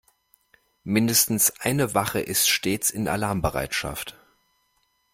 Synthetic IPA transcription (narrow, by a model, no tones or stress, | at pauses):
mɪndəstn̩sʔaɪnəvaχəʔɪstʃteːt͡sɪna̰laɐmbəʁa̰ɪtʃa̰ft